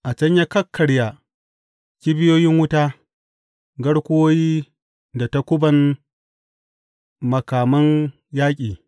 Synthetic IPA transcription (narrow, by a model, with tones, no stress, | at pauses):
ʔa˨t͡ʃɐ˦ɲja˦kɐ˦kʰːɐ˨ɽja˨ | kʲi˦bɪ˦joː˦jɪ˦ŋwʊ˦ta˦ | ɡɐ˦ɽkʷʊ˦woː˦jiː˦ | da˨ta˦kʷʊ˦bɐ˨n | mɐ˨kaː˨mɐ˦n | jaː˦kʲʼiː˨